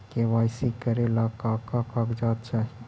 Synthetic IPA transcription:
keʋaːjsikəɾelakaːkakakd͡ʒaːt̪̚t͡ʃaːɦi

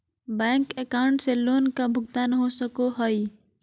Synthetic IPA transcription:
bɛ̃ːŋkekaːʊɳʈseloːnkabʱʊɡ̚t̪anəɦoːsəkoɦoi

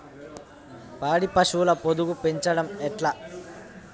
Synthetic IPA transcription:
paːɽipɐʂuʋlɐpod̪uɣupeɲt͡ʃɐɽɐmɛʈlɐ

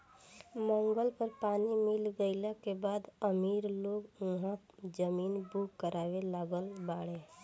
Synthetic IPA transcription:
mə̃ŋɡəlpəɾpaːnimɪlɡəɪlakebaːd̪əmiːɾloːɡʊɦã | d͡ʒəmiːnbuːkːəɾaːʋelaːɡəlbaːɽe

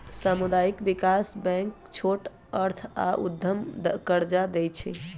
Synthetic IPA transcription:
samud̪aikbikasbɛ̃ŋk | t͡ʃʰoʈ | əɾt̪ʰa̰ʔṵd̪ʱjəmd̪əkəɾd͡ʒad̪ɛjt͡ʃʰɛ̰

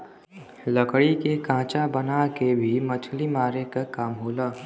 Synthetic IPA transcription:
ləkɽikekãːt͡ʃabənakebʱimət͡ʃʰlimaːɾekekamɦoːlaː

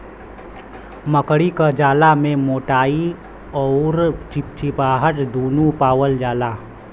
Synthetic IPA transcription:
məkɽikad͡ʒaːlamẽmoːʈaːi | ɔːɾt͡ʃɪp̚t͡ʃɪpaːɦəʈd̪uːnũpaːwəld͡ʒaːlaː

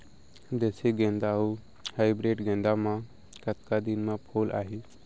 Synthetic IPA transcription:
d̪eːsiɡẽːnd̪aːɦuː | haːɪbɾeːʈɡẽːnd̪aːmãː | kət̪kad̪inmãːpʰoːlʔa̰ːɦeː

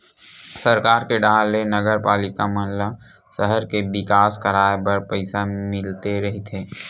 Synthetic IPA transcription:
səɾkaːɾkeɖaːlːenəɡəɾpaːlɪkamɐla | səɦəɾkebɪkaːskəɾaːebəɾpəɪsamɪlt̪eɾɐɦit̪ʰeː

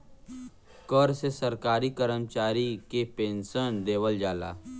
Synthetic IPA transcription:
kəɾsesɐɾkaːɾikəɾəmt͡ʃaːɾikepẽːnsənd̪eːʋəld͡ʒaːla̰ː

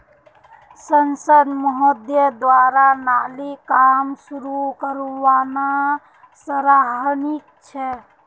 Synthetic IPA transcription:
sənsəd̪mɔɦɔd̪jəd̪waɾanaːlikamsuɾukəɾuwaːna | səɾaɦnik̚t͡ʃʰɛ

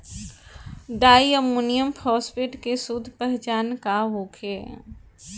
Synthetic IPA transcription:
ɖaːiəmuːnijəmpʰɾɔːspeːʈkesud̪ʱpɛɦt͡ʃaːnkaɦoːkʰeː

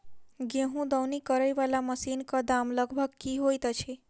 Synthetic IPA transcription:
ɡẽɦũd̪əwnikəɾəjʋalaməsinkad̪amləɡʱbʱəɡ̚kiɦojt̪at͡ʃʰe

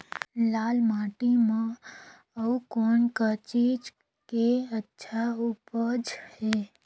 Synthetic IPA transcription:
lalmaʈimã | əukoɳkət͡ʃid͡ʒ | keətːʃʰaupəd͡ʒhe

